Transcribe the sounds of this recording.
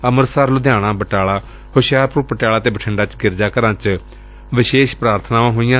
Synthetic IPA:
əməɾsaːɾlʊd̪jaːɽ̃ãːbəʈaːɭaː | hoːʃjaːɾpɾuːpəʈjaːlaːt̪eːbəʈʰəɳɖaːt͡ʃɡɪɾd͡ʒaːkəɾãːt͡ʃ | ʋɪʃeːʃpɾaːɾt̪ʰnaːmãːɦoːijãː

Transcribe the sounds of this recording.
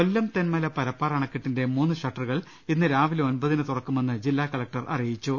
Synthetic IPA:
olːɐmt̪enmɐlɐpɐɾɐpːaːrɐɳɐkːiʈːinde̞muːnːɨʂɐʈːɐruɣɐɭ | inːɨɾaːʋilo̞nbɐðinɨt̪urɐkːume̞nːɨd͡ʑilːaːkɐɭɐk̚ʈɐrʔɐ̰rijit͡ɕːu

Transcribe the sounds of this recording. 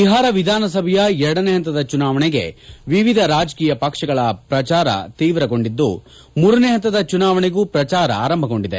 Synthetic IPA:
iɦaːɾɐʋid̪ʱaːnɐs̬ɐbʱɐjɐɛɾɐɽɐneɦɐnt̪ːɐd̪ɐt͡ʃunaːʋɐɳɛɡe̞̰ʋiʋid̪ʱɐɾaːd͡ʒkiːjɐpɐkʂɐɡɐɭɐpɾɐt͡ʃaːɾɐ̰t̪iːʋɾɐɡo̞ɳɖid̪ːṵ | muːɾɐneɦɐnt̪ːɐd̪ɐt͡ʃunaːʋɐɳeɡuːpɾɐt͡ʃaːɾɐ̰a̰ːɾɐmbʱɐɡo̞ɳɖid̪e̞

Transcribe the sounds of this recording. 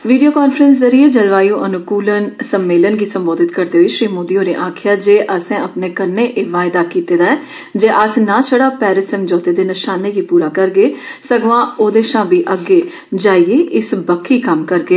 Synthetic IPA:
ʋiːɖijoːkaːnfʰɾənszəɾiːeːd͡ʒəlʋaːiõːʔənʊkuːlənsəmːeːlənɡiːsəmboːd̪ɪt̪kəɾd̪eːɦiːʃɾiːmoːd̪iːoːɾeːʔaːkʰɪjaːd͡ʒeːʔəsɛ̃ːəpneːkəɾneːʔeːʋaːɪd̪aːkiːt̪eːd̪aːɛː | d͡ʒeːʔəsnãːt͡ʃʰəɽaːpɛːɾɪsɛ̃md͡ʒɔːt̪eːd̪eːnɪʃaːneːɡiːpuːɾaːkəɾɡeːsəɡʋãːoːd̪eːʃãːbiːʔəɡeː | d͡ʒaːieːʔɪsbəkʰːiːkəmkəɾɡeː

